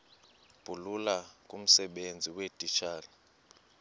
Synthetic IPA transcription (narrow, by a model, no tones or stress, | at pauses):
b̥ʱululakʼum̩sɛɓend͡zʱiwed̥ʱit͡ʃʰaːli